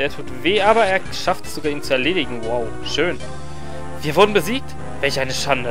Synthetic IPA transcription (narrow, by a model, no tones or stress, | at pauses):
deːɐtʰuːtv̥eːʔaːbɐeːɐʃaftz̥oɡaːɐiːnt͡suɛɐleːɾɪɡŋ̩waʊ | ʃøːn | v̥iːɐvʊɐdn̩bəziːk̚t | vɛlçʔaɪnəʃandə